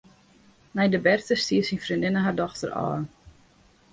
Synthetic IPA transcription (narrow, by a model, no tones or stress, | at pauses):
nɛjdəbɛrtəstiːərsinfrindɪnəɦardɔxtərɔ̰ː